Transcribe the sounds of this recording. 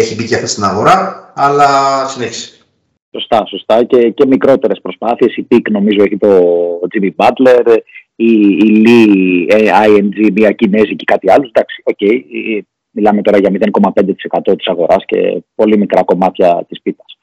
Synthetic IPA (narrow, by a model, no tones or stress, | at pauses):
eçibiceɐft̪est̪inɐɣo̞ɾɐːlɐsineçi̥si̥ | so̞st̪ɐso̞st̪ɐce̞ce̞mikɾo̞t̪e̞ɾe̞spɾo̞spɐθie̞sipikno̞mizoeçit̪o̞d͡zimibɐd̪le̞ɾ | iːlieɐiend͡zimiɐcine̞zice̥kɐt̪iɐluzd̪ɐksio̞ce̞j | milɐme̞t̪o̞ɾɐʝɐmiðenko̞mɐpe̞nd̪e̞t̪i̥se̞kɐt̪o̞t̪i̥sɐɣo̞ɾɐsce̞̰po̞limikɾɐko̞mɐt̪çɐt̪ispit̪ɐ̥s